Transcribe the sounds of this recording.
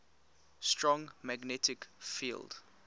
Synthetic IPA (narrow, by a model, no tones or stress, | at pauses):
stɹɔ̃ŋmaɡnɛtɪkfḭld̥